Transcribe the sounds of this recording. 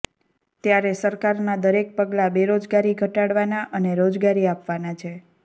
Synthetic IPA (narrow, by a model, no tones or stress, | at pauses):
t̪jaɾesəɾkaɾnad̪əɾek̚pəɡlabeɾod͡ʒɡaɾiɡʱəʈaɽʋanaʔəneɾod͡ʒɡaɾiapʋanat͡ʃʰe